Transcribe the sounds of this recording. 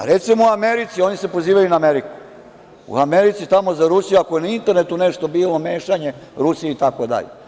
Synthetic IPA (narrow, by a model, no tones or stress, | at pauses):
a̰ɾet̪simouameɾit̪sio̞nise̞po̞ziːʋajunaːmeɾiku̥ | ṵameɾit̪sit̪amo̞zaɾusijuakoje̞naint̪eɾnet̪uneʃt̪o̞biːlo̞meːʃaɲe̞ɾusijeit̪ako̞d̪a̰ʎḛ